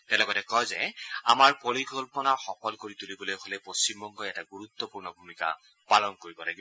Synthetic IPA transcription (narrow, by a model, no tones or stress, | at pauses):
tɛlɔɡɔtɛkɔjzɛa̰maɹpoɹikɔlpɔnaxɔkʰɔlkoɹitulibɔlojkʰolɛjpost͡ɕimbɔŋɡɔɛtaɡuɹut̪ːɔpuɹnɔbʱumika̰ | palɔnkoɹibɔla̰ɡibɔ